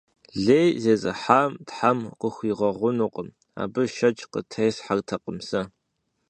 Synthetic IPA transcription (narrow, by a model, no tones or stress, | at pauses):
ɮeːjzeːzʼɨ̰ħaːmtħamqəxʷiːʁɐʁʷʊnuːqʼəm | a̰ːbɨʃɐt͡ʃʼqə̰tʰejsħartʰɐqʼəmsɐ